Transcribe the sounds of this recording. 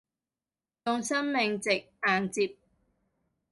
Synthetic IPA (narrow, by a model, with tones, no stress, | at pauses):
tʊ˨˧ŋsɐ˥nmɪ˨ŋt͡sɪ˨k̚aː˨nt͡siː˧p̚